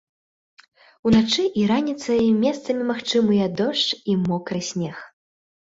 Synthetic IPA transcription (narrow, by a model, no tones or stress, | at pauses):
unat͡ʂɨʔiɾanʲit̪sɐjmʲɛst̪sɐmʲimaxt͡ʂɨmɨjɐd̪ɔʂt͡ʂimɔkɾɨsʲmʲɛx